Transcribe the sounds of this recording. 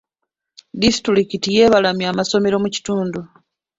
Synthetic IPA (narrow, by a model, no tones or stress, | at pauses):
disi̥tulikitije̞ːβalamjaːmaso̞me̞ɾo̞muci̥tuːndu